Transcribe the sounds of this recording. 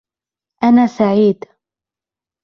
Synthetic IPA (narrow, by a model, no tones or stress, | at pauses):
ʔanaːsaʕiːd̪